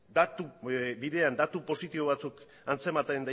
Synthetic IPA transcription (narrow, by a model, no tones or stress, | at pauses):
d̪at̪uβiðe̞and̪at̪upo̞sit̪iβo̞β̞at͡suk | ant͡se̞mat̪aend̪a